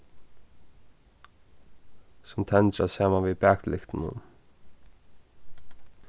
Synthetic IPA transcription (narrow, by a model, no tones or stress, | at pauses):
sʊmt̪ʰɛnt̪ɾasaːmanviðbɛːk̪lɪxt̪ɪnʊ̰n